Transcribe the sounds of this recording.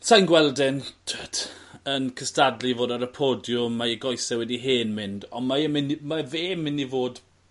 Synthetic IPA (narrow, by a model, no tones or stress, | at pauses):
sʰajnɡwɛlˠdɪntʰətənkʰəstadlivoːdaɾəpʰoːdjʊmaəɡɔjsɛwɛdiɦeːnmɪndɔmaɛmɪnimaveːmːɪnːivoːd